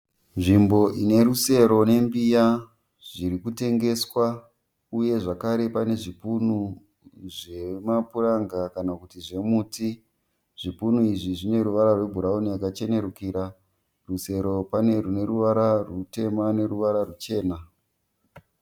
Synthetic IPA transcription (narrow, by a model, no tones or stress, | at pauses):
nʐimbo̞ʔine̞ɾuse̞ɾo̞ne̞mbija | ʐiɾikute̞ŋɡe̞swa | uje̞ʐakaɾe̞pane̞ʐipunu | ʐe̞mapuraŋɡakanakutiʐe̞muːti | ʐ̥ipunuiʐiʐine̞ɾuʋaɾarwe̞bʱuɾaunijakat͡ʃe̞ne̞ɾukiːɾa | ruse̞ɾo̞pane̞rune̞ɾuʋaɾarute̞mane̞ɾuʋaɾarut͡ʃe̞ːna